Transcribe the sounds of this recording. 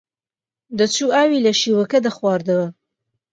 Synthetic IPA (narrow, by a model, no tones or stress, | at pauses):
d̪ɐt͡sʰuːaːwilɐʃiːwɐkɐd̪ɐχwɑːɾd̪ɐwɐ